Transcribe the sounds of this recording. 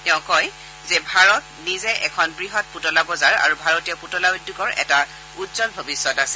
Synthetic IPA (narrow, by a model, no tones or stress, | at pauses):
tɛʊ̃kɔj | zɛbʱaɹɔt | nizɛʔɛkʰɔnbɹiɦɔt̚putɔlabɔzaɹa̰ɹubʱaɹɔtijɔputɔlaudːukɔɹɛ̰ta | utzɔlbʱobisɔtasɛ̥